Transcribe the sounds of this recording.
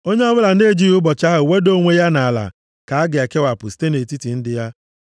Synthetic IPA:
o˦ɲe˦ɔ˦bʊ˦la˨n̩˦e˦˨d͡ʒi˦ʊ˦bɔ˨t͡ʃa˦ɦʊ˨we˦do˦ŋʷe˦ja˦na˨a˨la̰˨ | ka˨a˦ɡɪ˨a˨ke˦wa˨pʊ˨si̥˦te˦ne˨ti˦ti˨n̩˦dɪ˦ja˦

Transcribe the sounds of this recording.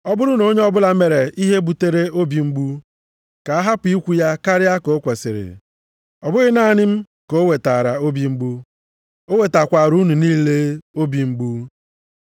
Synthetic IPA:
ɔ˦bʊ˦ɾʊ˦no˨˦ɲe˦ɔ˦bʊ˦la˦me˨ɾe˨i˦ɦe˦bu˨te˦ɾe˦o˦bi˨ŋ͡m̩˦ɡ͡bu˦ | ka˨a˦ɦa˦pʊ˨i˦kʷu˦ja˦ka˦ɾɪ˦a˦ko˨˦kʷe˨sɪ̰˨ɾɪ̰˨ | ɔ˨bʊ˦ɣɪ˦na˦˨nɪ˦m̩˦ | ko˨˦we˨ta˨ɾa˨o˦bi˦ŋ͡m̩˦ɡ͡bu˦ | o˦we˨ta˨kʷa˨ɾu˦nu˨niː˦le˦o˦bi˨ŋ͡m̩˦ɡ͡bu˦

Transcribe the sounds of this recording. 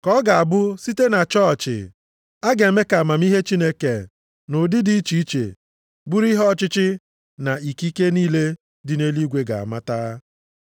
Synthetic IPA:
kɔ˦ɡa˨a˨bʊ˦si˦te˦na˨t͡ʃɔ˦˨t͡ʃɪ̰˨ | a˦ɡe˨e˨me˦ka˨a˨ma˨m˦i˦ɦe˦t͡ʃi˦ne˦ke˨ | nʊ˨dɪ˦di˦i˦t͡ʃi˨i˦t͡ʃḛ˨ | bu˦ɾi˦ɦɔ˦t͡ʃɪ˦t͡ʃɪ˦ | na˨i˨ki˦ke˦niː˦le˦ | dɪ˨ne˦li˦ɡʷe˦ɡa̰˨a̰˨ma˦ta˦

